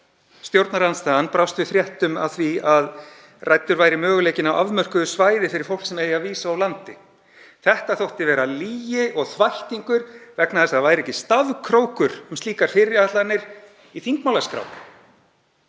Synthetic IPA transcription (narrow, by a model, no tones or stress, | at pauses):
st̪jowɾt̪naɾanst̪aːanpɾawst̪vɪfɾjɛht̪ʏma̰wθviað | rajt̪ːʏɾvaːjɾɪmœːɣʏleːjcɪnawavmœr̥kʏðʏsvaːjðɪfɪɾɪɾ̥fowlksɛmeːjaviːsaawlant̪ɪ | θɛht̪aθowht̪ɪvɛːɾaliːjɪʔɔɣθvajht̪iŋkʏɾ̥vɛknaðθɛsavaːjɾɪɛcɪst̪aðkʰɾoːwkʏɾ̥ʏmst̪iːkaɾ̥fɪɾɪat̪lanːɪɾ̥ | iθiŋkmawlaskɾa̰w